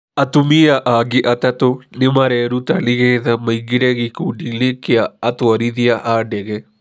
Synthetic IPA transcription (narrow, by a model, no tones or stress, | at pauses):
ɐt̪umijɐʔaːɡiʔɐt̪ɐt̪onimɐɾeːɾut̪ɐliɡeːd̪ɐmɐjɡiɽeɡikuɖilikijɐɐt̪uɐɾid̪ijɐʔaːɖeɡe